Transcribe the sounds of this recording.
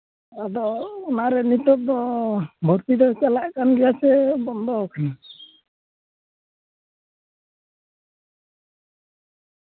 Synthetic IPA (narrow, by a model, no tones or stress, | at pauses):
ad̪ɔːnaɾɛnit̪ɔp̚d̪ɔbʱɔɾt̪id̪ɔt͡ʃalaʔkanɡɛjat͡ʃɛbɔnd̪ɔkan